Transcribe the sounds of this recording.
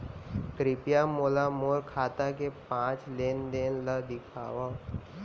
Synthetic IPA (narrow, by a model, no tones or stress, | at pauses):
kɾɪpijamoːlamoːɾkʰaːt̪akepãːt͡ʃleːnd̪eːnlad̪ɪkʰa̰ːʋa